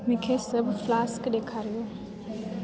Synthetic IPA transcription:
mʊ̃kʰeːsɐbflaːskɗeːkʰaːɾijoː

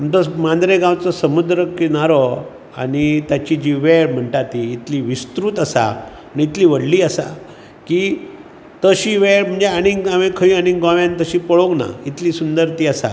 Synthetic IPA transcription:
mt̪ɔmãnd̪ɾeɡãwt͡sɔsəmud̪ɾəkinaɾɔ | a̰ɽit̪jat͡ɕiːd͡ʑiʋɛɭm̤əɳʈat̪iːt̪liːʋist̪ɾuːt̪əsa̰ | aniit̪liːʋəɽliːəsa̰ | ki | t̪əɕiːʋeɭm̤əɳd͡zeaɽ̃iŋɡaʋẽkʰəĩəniŋɡɡãʋjãnt̪əɕiːpəɭoɡna̰it̪liːsund̪əɾt̪iːəsa̰

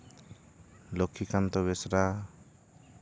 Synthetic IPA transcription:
lɔkʰːikʰant̪ɔβɛsɾa

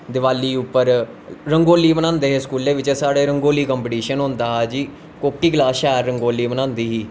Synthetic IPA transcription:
d̪ɪʋaːlːiːʊpːəɾ | ɾəŋɡoːliːbənãːnd̪eːɦeskuːleːʋɪt͡ʃɛsaːɽeːɾəŋɡoːliːkɔ̃ːmpɪʈiːʃənɦʊ̃nd̪aːɦaːd͡ʒiː | koːkiːɡlaːʃaːɾːəŋɡoːliːbənãːnd̪iːɦiː

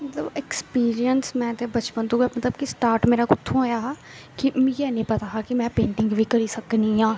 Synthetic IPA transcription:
mət̪ləbekspiːɾijənsmɛ̃ːt̪ebət͡ʃpə̃nd̪ũɡemət̪ləbkisʈaːɾʈmeːɾaːkʊt̪ʰːũɦoːjaːɦa | kimjɛːnĩːpət̪aːɦakimɛ̃ːpẽːɳʈɪ̃ŋɡbʱiːkəɾiːsəkniɦãː

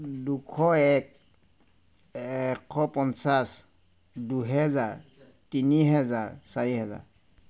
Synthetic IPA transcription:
dukʰɔɛk̚ | ɛkʰːɔpɔnsas | duɦɛzaɹ | tiniɦɛzaɹsaɹiɦɛza̰ɹ

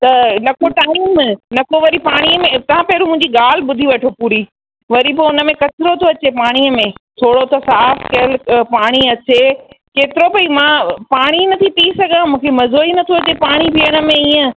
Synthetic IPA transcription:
t̪ɐnɐkʰoʈaːɪmnɐkoʋɐɾipaːɽ̃iəmẽt̪ɐʋ̤ãpɛːɾumʊ̃ɦɪ̃ɲd͡ʑiɡaːl̤ɪɓʊd̪ʱiʋɐʈʰopuːɾi | ʋɐɾipoʊnə̆mẽkɐt̪ɪɾot̪ʰoɐt͡ɕepaːɽ̃iəmẽt̪ʰoːɽot̪ʰosaːfkɐlpaːɽ̃iɐt͡ɕekeːt̪ɪɾopɐimãːpaːɽ̃inɐt̪ʰit̪isɐɡãmũːkʰemɐzoːinɐt̪ʰoɐt͡ɕepaːɽ̃ipiəɽ̃ə̆mẽiːə̃

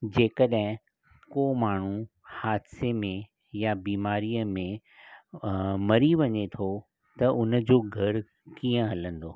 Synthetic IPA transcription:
d͡ʑeːkəɗɦɪ̃ | koːmaːɳ̤u | haːd̪semẽ | jabiːmaːɾijəmẽ | mɐɾiʋɐɲet̪ʰo | t̪ɐʔʊn̆d͡ʑoːɡʱɐɾ | kiːə̃ɦɐlə̃nd̪oː

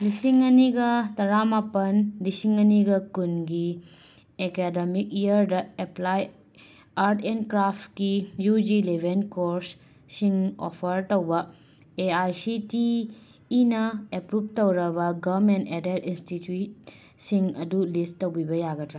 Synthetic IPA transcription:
lisiŋɐniɡɐtɐɾamapɐnlisiŋɐniɡɐkunɡi | ekedemik̚ijɐɾdɐeplaj | aɾtʰenkɾapʰtkijud͡ʒilebʱenkoɾs | siŋo̰pʰɐɾtowbɐ | eajsitiː | nɐepɾup̚towɾɐbɐɡɐɾmentedetinstitjut̚ | siŋɐdulisowbibɐjaɡɐtɾa

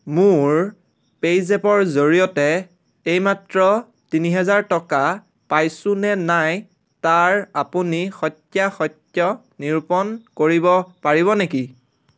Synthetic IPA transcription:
mʊɹ | pejzɛpɔɹzoɹijɔtɛ | ejmatɹɔ | tiniɦɛzaɹtɔka | pajsʊnɛnaj | taɹapunixɔtjaxɔtjɔ | niɹpɔnkoɹibɔpaɹiβɔneki

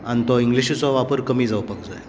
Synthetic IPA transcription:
ant̪ɔiŋɡliɕit͡sɔʋapəɾkəmiːd͡zaʋpəkd͡zaj

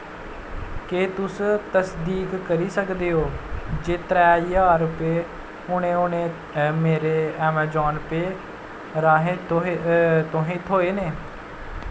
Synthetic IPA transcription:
keːt̪ʊst̪əsd̪iːkːəɾiːsəkd̪eːoːd͡ʒeːt̪ɾɛːjaːɾʊpeː | ʊɳẽːʊnẽː | meːɾeːɛːmaːd͡ʒɔːnpeː | ɾaːɦe | t̪oɦẽt̪ʰɦoːeːneː

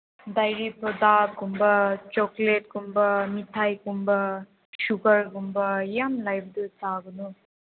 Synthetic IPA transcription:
d̪ɐjɾipʰod̪aːɡumbɐt͡ʃokleʈkumbɐmit̪ʰajkumbɐ | ʃuɡɐɾɡumbɐjamlɐjb̚d̪usaːɡunu

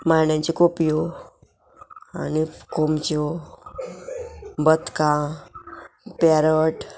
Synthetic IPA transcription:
majɳjãɲt͡ɕikopijo | a̰nikomt͡ɕo | bət̪kã | paɾəʈ

